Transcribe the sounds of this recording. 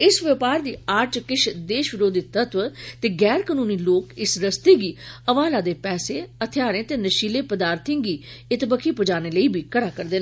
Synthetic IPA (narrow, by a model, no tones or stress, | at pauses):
ɪsʋəpaːɾd̪iːaːɾt͡ʃkɪʃʰd̪eːʃʋɪɾoːd̪ɪt̪ːət̪ʋt̪eːɡɛːɾkəːnũːniːloːkɪsɾəst̪eːɡiːəʋaːlaːd̪eːpɛːseːət̪ʰɪjaːɾẽːt̪eːnəʃiːleːpəd̪aːɾt̪ʰɪ̃ŋɡiː | ɪt̪bəkʰiːpəd͡ʒaːneːləiːbʱiːkəɽaːkəɾd̪eː